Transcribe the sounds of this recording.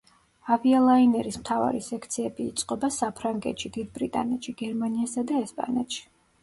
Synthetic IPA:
avialˠainɛɾismt̪ʰava̰ɾisɛkʰt̪sʰiɛbiːt̪sʼqʼɔbasapʰɾaŋɡɛ̰t̪ʃid̪id̪̚bɾit̪ʼa̰nɛt̪ʃiɡ̥ɛɾmaniasad̪aɛspʼa̰nɛt̪ʃi̥

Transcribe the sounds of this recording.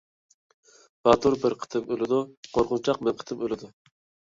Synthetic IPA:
b̥ɑt̪ʰuɾbɪɾqʰə̥t̪ʰɨmølɪd̪uqʰoɾqʊnt͡ʃʰɑq̚mɛnqʰə̥t̪ʰɨmølɪd̪u

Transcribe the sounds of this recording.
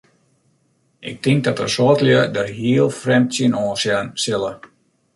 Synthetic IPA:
ʔɪ̰k̚tɪŋk̚dɔtərsɔːtljədərɦiəlˠfrɛmtsiənɔ̃ːsjansɪlə

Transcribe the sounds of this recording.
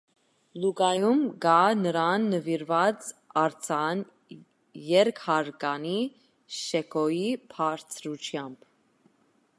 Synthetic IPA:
luɡɑjumɡɑnəɾɑnːəviɾvɑt͡sɑɾt͡sʰɑn | jɛɾkʰhɑɾɡɑni | ʃɛkʰɔjipʰɑɾt͡sʰɾut͡ʃʰjɑmb

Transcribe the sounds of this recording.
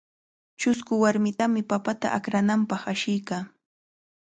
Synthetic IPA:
t͡ʃʊskʊwaɾmɪt̪amɪpapat̪a̰ʔakɾanampɑχaʃɪjkaː

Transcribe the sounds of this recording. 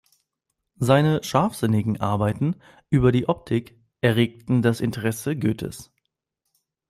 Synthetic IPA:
zaɪnəʃaɐfz̥ɪnɪɡŋ̩ʔa̰ɐbaɪtn̩ | ʔyːbɐdiːʔɔp̚tʰɪk | ʔɛɐʁeːk̚tn̩dasɪntʰəʁɛsəɡøːtʰə̰s

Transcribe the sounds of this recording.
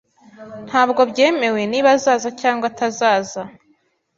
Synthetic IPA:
n̥haːbɡo̞bɟe̞ːme̞we̞niːβazaːzacaːŋɡwatʰazaːza

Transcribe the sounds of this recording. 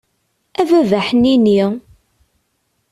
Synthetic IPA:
ævævæħnini

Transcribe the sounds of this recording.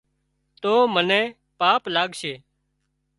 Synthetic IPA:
t̪oːmənɛ̃ː | paːplaːɡʃeː

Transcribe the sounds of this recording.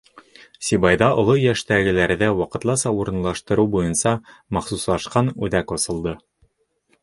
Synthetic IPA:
sʲibɑjðɑʔŏlˠojæʃt̪æɡɘ̆læɾðæwɑqɤ̆t̪lˠɑsɑuɾɤ̆nlˠɑʃt̪ɤ̆ɾɤwbujɤnsɑmɑχsuslˠɑʃqɑnʉðækŏsɤ̆lˠd̪ɤ

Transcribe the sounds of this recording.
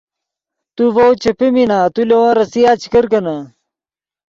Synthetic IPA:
t̪uvɐwt͡ɕepeminaːt̪ulewãːɾɐsijaːt͡ɕi̥kɐɾkɐnɐ

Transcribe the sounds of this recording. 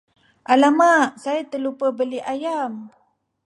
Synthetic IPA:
ʔalamaʔsait̪əlupəbəliʔajam

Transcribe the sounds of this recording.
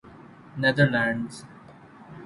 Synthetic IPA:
nɛd̪əɾlæ̃ɳɖz̥

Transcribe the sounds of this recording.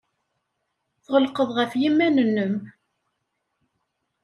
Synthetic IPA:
θʁəlqəðˤʁəfjimːænənːəm

